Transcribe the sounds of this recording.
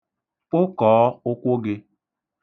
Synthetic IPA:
k͡pʊ˦kɔː˨˦ʊ˦kʷo˦ɡɪ˦

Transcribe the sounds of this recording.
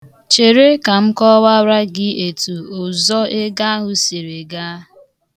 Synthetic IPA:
t͡ʃe˨ɾe˦ka˨m̩˦kɔ˦wa˦ɾa˦ɡɪ˦e˨tu˨ʊ˨zɔ˦e˦ɡa˦ɦʊ˨se˨ɾe˨ɡa˦

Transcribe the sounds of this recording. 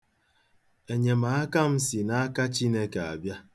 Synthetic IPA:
e˨ɲe˨ma˨˦a˦ka˦m̩˦si˨na˦a˦ka˦t͡ʃi˦ne˦ka˨a̰˨bja˦

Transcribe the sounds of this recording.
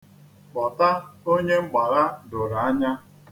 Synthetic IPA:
k͡pɔ˨ta˦o˦ɲe˦ŋ͡m̩˦ɡ͡ba˨ɾa˦dʊ˨ɾa˨a˦ɲa˦

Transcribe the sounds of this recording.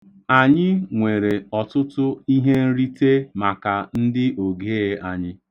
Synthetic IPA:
a˨ɲɪ˦ŋʷe˨ɾe˨ɔ˨tʊ˦tʊ˦i˦ɦe˦n̩˦ɾi˦te˦ma˨ka˨n̩˦dɪ˦ʔo˨ɡe˦ɣe˦a˨ɲɪ˦

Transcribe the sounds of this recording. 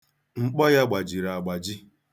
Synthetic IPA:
ŋ͡m̩˨k͡pɔ˦ja˦ɡ͡ba˨d͡ʒi˨ɾa˨a˨ɡ͡ba˨d͡ʒɪ˦

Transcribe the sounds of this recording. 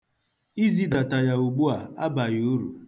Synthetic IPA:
i˦zi˦da˨ta˨ja˨u˨ɡ͡bu˦a˨a˦ba˨jo˦ɾṵ˨

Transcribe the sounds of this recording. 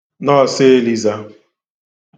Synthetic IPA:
nɔ˦˨sɪ˦li˦za˦

